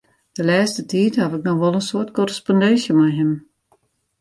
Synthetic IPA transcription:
d̥əlɛːstətʰiːthavɪknɔxʋɔlˠənsoətkɔrəspɔndɛnsjəmajɦɪm

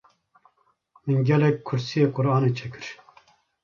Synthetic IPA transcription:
mɨnɡʲɛlɛk̚ʲkʰːʊɾsijeːkʊɾɑːneːt͡ʃʰɛkɨɾ

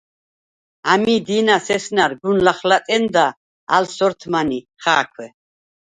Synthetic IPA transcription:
amid̪inasɛsnaɾɡunlaχlat̪ʼɛnd̪a | a̰lsɔɾt̪ʰmani | χaːkʰwɛ

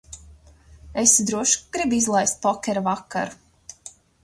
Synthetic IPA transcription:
esd̪ɾuɔʃɡ̥ɾibizlˠajst̪̚pɔkʲɛɾavakːa̰ɾu

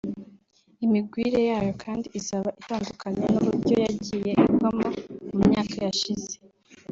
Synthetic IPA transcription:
imib̚ɡwiːɾe̞jaːjo̞kʰaːndiʔisaβaʔitaːndukʰaɲanuβuɾɟjo̞jaɟiːje̞iɡwamaumɲaːkʰajaʃize

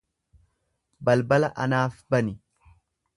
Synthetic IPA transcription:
bɐlbɐlɐʔɐnaːfbɐnɪ

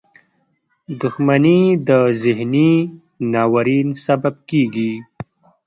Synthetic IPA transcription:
d̪ʊxmanid̪əzɪɦni | nɑwaɾinsabab̚kiɡi

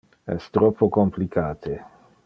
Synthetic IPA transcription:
ɛ̰st̪ɾɔpʰːokomplikʰaːt̪ʰe

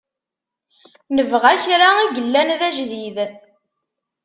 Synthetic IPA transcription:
nəvʁæçɾaiɡəlːænðæʒðið

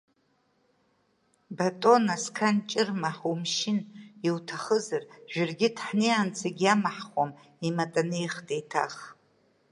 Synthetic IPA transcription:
batʼo̞naskʰant͡ʃʼɪrmaħumʃɪniwtʰaχəzarʒ̥ᶣɪrɡʲɪdħnejant͡sʰaɡʲamaħχʷam | imatʼanejχtʼejtʰa̰χ

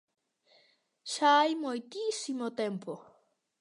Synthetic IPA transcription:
ʃajmojt̪isimot̪empo

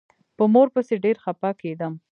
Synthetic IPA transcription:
pəmoɾpəseɖeɾxapɑked̪əm

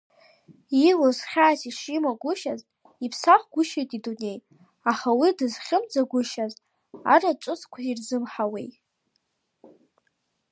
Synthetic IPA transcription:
ilozχʲaːsiʂimaɡʷʊʃazʼ | ipʰsaχʷɡʷʊʃejtʼidune̞j | aχawidɨzχʲɪmd͡zaɡʷʊʃazʼ | a̰ɾaʈ͡ʂʷʼʊt͡skʷʰairzɨmħawḛj

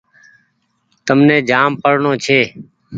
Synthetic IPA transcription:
t̪əmnẽːd͡ʒaːmpəɽɳoːt͡ʃʰeː

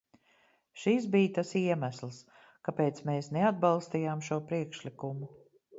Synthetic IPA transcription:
ʃis̬biːt̪asiɛmæslˠs | kapeːt̪smeːsnead̪̚balˠst̪iːjaːmʃuɔpɾiɛkʃlikumu

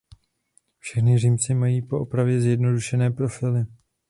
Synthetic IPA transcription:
fʃɛxnɪriːmt͡sɪmajiːpo̞ʔopɾavjɛzjɛdno̞duʃɛnɛːpɾo̞fɪlɪ

